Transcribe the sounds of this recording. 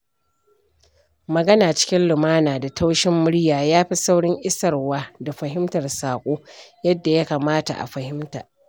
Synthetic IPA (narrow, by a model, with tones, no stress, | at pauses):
mɐ˨ɡɐ˦naː˨t͡ʃɪ̥˦kʲɪ˦nlɪ˨maː˦naː˨da˨ta˦wʃɪ˦mːʊ˦ɽjaː˨jaː˦ɸi˦sa˦wɽɪ˦ŋʔɪ˦sɐ˨rwaː˦da˨ɸɐ˨ɦɪ˦mtɐ˨rsaː˨kʷʼoː˦jɐ˦dːa˨ja˦kaː˨maː˦ta̰˨ʔa̰˨ɸɐ˨hɪ˦mta̰ː˨